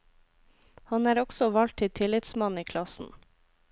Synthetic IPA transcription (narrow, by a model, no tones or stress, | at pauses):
hɑnæːɾɔɡsɔʋɑlt̪̚ʰɪt̪ʰɪlɪt̪smɑniːkʰlɑsn̩